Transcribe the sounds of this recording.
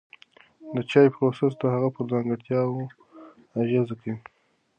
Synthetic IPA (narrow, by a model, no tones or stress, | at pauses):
d̪ət͡ʃɑjpɾoses̬d̪əhaɣapəɾzɑŋɡəɽt̪jɑwo | aʒɑzaki